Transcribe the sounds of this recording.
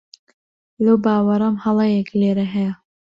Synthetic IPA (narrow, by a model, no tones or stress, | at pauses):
lɐwbaːwɐɾɐmhɐlˠɑjekleːɾɐɦɛja